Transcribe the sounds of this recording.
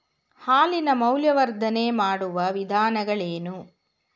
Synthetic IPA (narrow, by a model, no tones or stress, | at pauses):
haːlinɐmɐwljɐʋɐɾd̪ʱɐneːmaːɽuʋɐʋid̪ʱaːnɐɡɐɭeːnu